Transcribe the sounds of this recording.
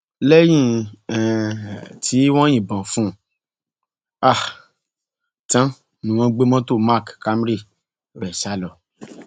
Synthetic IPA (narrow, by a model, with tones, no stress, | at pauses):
lɛ˦j̃ĩ˦˨ɛ˨ | tʰi˨˦w̃ɔ̃˦j̃ĩ˦˨bã˨fũ˦ | a˦˨ | tã˦ | nũ˨wɔ̃˧˦ɡ͡be˦mɔ̃˦to˦˨ma˦˨kka˦m˦ɾi˦˨ | ɾɛ˨ʃa˧˦lɔ˨